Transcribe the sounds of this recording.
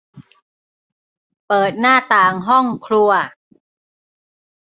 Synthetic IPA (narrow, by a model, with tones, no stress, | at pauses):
pɤː˨˩t̪̚naː˥˩t̪aː˨˩ŋɦɔ˥˩ŋkʰlu˧ɐ